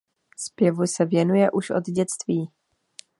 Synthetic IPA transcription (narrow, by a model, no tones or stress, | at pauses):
spjɛvusɛvjɛnujɛʔuʃʔo̞̰d̪ɟɛt͡st̪viː